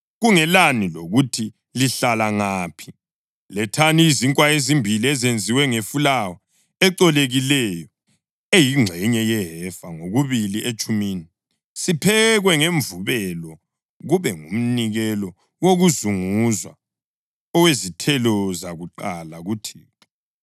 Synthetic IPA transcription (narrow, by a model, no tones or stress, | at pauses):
ɣuŋɛlaniloɣutʰi | liɬalaŋaːpʰi̥ | lɛtʰaniːziŋkʼwaezimbʱiliɛzend͡zʱiwɛŋefulawɔ | ɛǀɔleɣilɛjɔ | ejiŋ͡ǁʱɛɲɛjɛɦɛfaŋoɣuβiliʔet͡ʃʼumiːni | sipʰɛɣwɛŋeɱvuβɛlɔ | ɣuβɛŋum̩niɣɛlɔ | woɣuzuŋuzwa̰ | ɔwezitʰɛlɔzaɣuǃalaɣutʰiːta